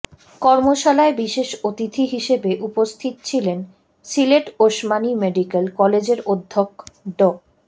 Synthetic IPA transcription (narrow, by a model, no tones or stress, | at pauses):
kɔɾmoʃalaebiʃeʃot̪it̪ʰiɦiʃebeʔupost̪ʰit̪̚t͡ɕʰilen | sileʈoʃmanimeɖikelkɔled͡ʑeɾod̪ʱːokɖo